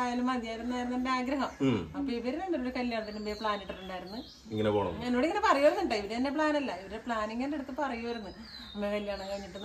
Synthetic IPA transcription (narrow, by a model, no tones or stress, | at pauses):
aːjalumɐɲjaːjiɾunːaːjɾunːendeaːɡɾɐɦɐmɐpːoiʋɐɾenɐnːɐuɽekɐljaːɳɐt̪ːinːimbepɭaːneʈːɨʈːuɳɖaːjiɾunːɨ | iŋːɐnepoːɳɐ̰enːo̞ːɽiŋːɐnepɐrɐjuʋɐɾunːuɳɖɐiʋɐɾeɐnːep̬ɭaːnɐlːɐiʋɐɾepɭaːniŋːɐneeɽut̪ːɨpɐrɐjuʋɐɾunːɨ | ɐmːekɐljaːɳɐmkɐɻiɲːiʈːɨn